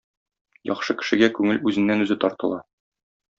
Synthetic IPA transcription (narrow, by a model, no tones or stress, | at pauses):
jɒ̰χʃɤkɘ̥̆ʃɘ̆ɡækʉŋɘlʉzɘ̆nːænʉzɘt̪ɒɾt̪ɤ̆lˠɑ